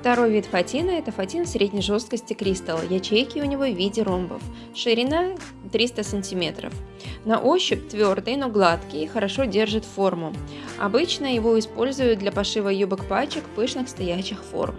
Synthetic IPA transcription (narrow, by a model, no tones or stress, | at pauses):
ft̪ɐɾo̞jvʲit̪fɐtʲinɨɛt̪əfɐtʲinsɾʲedʲnʲɪjʐo̞st̪̚kəsʲtʲɪkɾʲist̪əlˠjɐt͡ɕejkʲɪʊnʲɪvo̞vʲidʲɪɾombə̰f | ʂɨɾʲɪna | t̪ɾʲist̪əsənʲtʲɪmʲe̞t̪ɾə̰f | nɐ̰ʔo̞ɕːɪp̚t̪vʲord̪ɨjnoɡlˠat̪kʲɪjxəɾɐʂo̞dʲe̞rʐɨt̪fo̞rmʊɐ̰bɨt͡ɕnəjɪvo̞ɪspo̞lʲzʊjʊt̪̚d̪lʲɐpɐʂɨvəjubɨkpat͡ɕɪkpɨʂnɨxst̪ɐjæɕːɪxfo̞̰rm